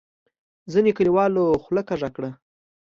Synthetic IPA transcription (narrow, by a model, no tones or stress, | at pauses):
zənekəliwɑloxləkaʐakɽa